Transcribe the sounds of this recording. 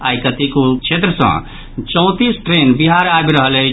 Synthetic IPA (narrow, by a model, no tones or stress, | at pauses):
a̰jkət̪ikokt͡ʃʰet̪ɾəsə̰̃ | t͡ʃə̃ʊ̃t̪isʈɾenbiɦaɾabɾəɦəlɛɦ